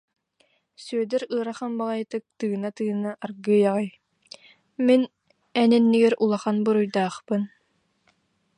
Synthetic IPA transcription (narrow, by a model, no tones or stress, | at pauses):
syœd̪ɛɾɯːɾaχanbaʁajt̪ɯk̚t̪ɯːnat̪ɯːnaʔːɾɡɯːjaʁɯj | min | ɛnɛnːiɡɛɾulˠaχanbɯɾujd̪aːχpɯn